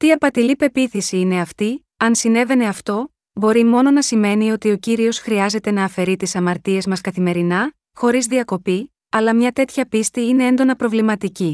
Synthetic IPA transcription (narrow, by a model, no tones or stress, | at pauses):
t̪iɐpɐt̪ilipe̞piθisiine̞ɐft̪i | ɐnsine̞ve̞ne̞ɐft̪o̞ | bo̞ɾimo̞no̞nɐsime̞nio̞t̪io̞ciɾio̞sxɾiɐze̞t̪e̞nɐːfe̞ɾit̪isɐmɐɾt̪ie̞zmɐskɐθime̞ɾinɐ | xo̞ɾizðiɐko̞pi | ɐlɐmɲɐt̪e̞t̪çɐpist̪iine̞e̞nd̪o̞nɐpɾo̞vlimɐt̪ici